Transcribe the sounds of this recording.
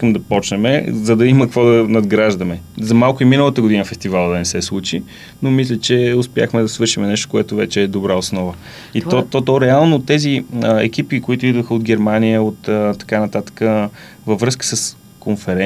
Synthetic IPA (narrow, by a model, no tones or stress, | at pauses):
kəmd̪ɐpɔt͡ʃnɛmɛ̰zɐd̪ɐiməkkvɔd̪ɐnɐd̪ɡɾaʒd̪ɐmɛzɐmalˠkʊiminəlˠət̪əɡʊd̪inəfɛst̪ivalˠəd̪ɐnɛsɛslˠut͡ʃi | nomislʲɛt͡ʃɛʊspja̰xmɛd̪ɐsvɤɾʃimɛnɛʃt̪o̥kʊɛt̪ʊvɛ̰t͡ʃɛːd̪obɾaosnɔvə | it̪ɔt̪ɔt̪ɔɾɛalˠnot̪ɛziɛ̰kipikoit̪ʊid̪vəxəod̪̚ɡɛɾmanijəot̪ət̪ːɐ̥kanɐt̪at̪ə̥kə | vəvɾɤskə̥səs | konfɛɾɛ